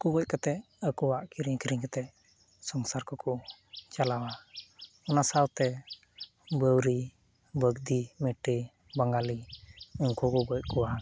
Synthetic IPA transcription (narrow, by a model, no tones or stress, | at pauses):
kuɡɔc̚kat̪ɛʔ | əkɔwaʔkiɾiŋkiɾiŋkat̪ɛʔ | sɔŋsaɾkɔkʰɔt͡ʃalawa | ɔnasawt̪ɛ | bəwɾi | bəɡd̪imɛʈe | baŋɡaliɔɲkʰɔkɔɡɔc̚kɔwa